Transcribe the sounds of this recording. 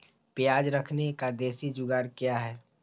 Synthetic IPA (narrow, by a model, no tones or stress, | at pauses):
pjaːd͡ʒɾəkʰnekad̪eːsid͡ʒʊɡaːɾkjaɦɛː